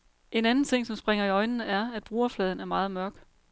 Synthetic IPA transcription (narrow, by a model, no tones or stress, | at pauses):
e̝nænn̩t͡sʰe̝ŋ̰sɒ̽msb̥ʁeŋɐiɒ̽ɪnnəæɐæd̥̚b̥ʁuɐflɛːð̞ˠn̩æɐmɑ̈ːð̩ˠmɶɐɡ̥